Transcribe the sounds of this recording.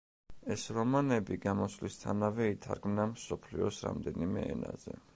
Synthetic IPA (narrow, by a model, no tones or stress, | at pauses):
ɛsɾɔmanɛbiɡamɔslist̪ʰanavɛit̪ʰaɾɡmnamsɔpʰliɔsɾa̰md̪ɛnimɛɛna̰zɛ̰